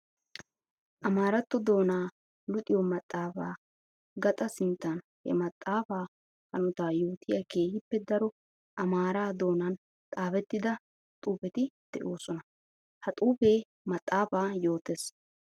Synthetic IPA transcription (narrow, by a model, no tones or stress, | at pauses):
ʔɐmaːɾɐt̪ːɔd̪o̞ːnaː | lʊt̪ʼɪjɔmɐt̪ʼːaːfaː | ɡɐt̪ʼɐsɪnt̪ːɐn | hɛ̰mɐt̪ʼːaːfaː | hɐnʊt̪aːjo̞ːt̪ʰɪjɐke̞ːjɪpːɛd̪ɐɾɔ | ʔɐmaːɾaːd̪o̞ːnɐn | t̪ʼaːfɛt̪ːɪd̪ɐ | t̪ʼuːpɛt̪ɪd̪̥ɛʔo̞ːsɔnɐ | hɐt̪ʼuːpeː | mɐt̪ʼːaːfaːjo̞ːt̪eːs